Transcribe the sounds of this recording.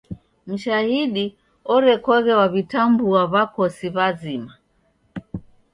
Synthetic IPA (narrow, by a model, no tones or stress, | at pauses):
m̩ʃahiɗi | ɔɾɛkɔɣɛwaβitambuaβakɔsiβazima